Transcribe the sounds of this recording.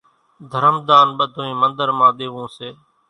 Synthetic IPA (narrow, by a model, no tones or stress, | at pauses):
d̪ʱəɾəmd̪aːnɓəd̪ʱoĩːmənd̪əɾmãːɗ̪eːʋõːseː